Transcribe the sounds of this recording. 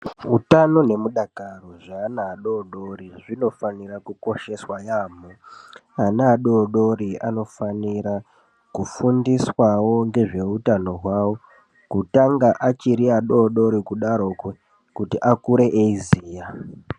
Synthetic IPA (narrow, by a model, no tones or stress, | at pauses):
utano̞ne̞muɗakaroʐaːnaːɗoɗo̞riʐino̞fanirakuko̞ʃe̞swajaːmoanaːɗoːɗo̞ɾia̰no̞faniɾa | kufundiswawo̞ŋɡe̞ʐe̞utano̞ɦwawo̞ | kutaŋɡaʔat͡ʃiɾiaɗo̞ːɗo̞ɾikuɗaɾo̞kwe | kutiʔakuɾe̞ʔeiziːja